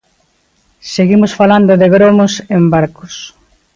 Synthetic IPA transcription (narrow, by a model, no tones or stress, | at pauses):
seɣimʊsfaland̪ʊðeɣɾomosembaɾkʊs